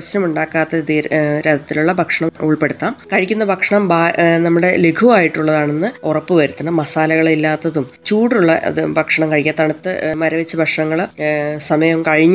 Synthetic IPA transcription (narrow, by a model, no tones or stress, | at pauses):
snɐmuɳɖaːkːaːt̪ːɐiːɾed̪ʱːɐt̪ːiluɭːɐbʱɐkʂɐɳɐmuɭpe̞ɽut̪ːaːmkɐɻikʲːunːɐbʱɐkʂɐɳɐmbaːnɐmːuɽe̞leɡʰuʋaːjiʈːuɭːɐðaːɳe̞nːɨorɐpːɨʋɐɾut̪ːɐnɐmɐsaːlɐɣɐɭilːaːt̪ːɐðumt͡ɕuːɽuɭːɐ̰ɨbʱɐkʂɐɳɐmkɐɻikʲːɐt̪ːɐɳɐt̪ːɨmɐɾɐʋet͡ɕːɐbʱɐkʂɐɳɐŋːɐɭsɐmɐjɐmkɐɻiɲː